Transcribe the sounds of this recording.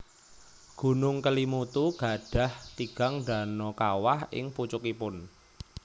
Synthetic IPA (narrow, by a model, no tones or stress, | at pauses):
ɡ̥ṳnʊŋkəlimut̪uɡ̥a̤ɖ̥a̤ht̪iɡ̥a̤ŋɖa̤nɔkawahʔɪ̰ŋput͡ʃukipʊn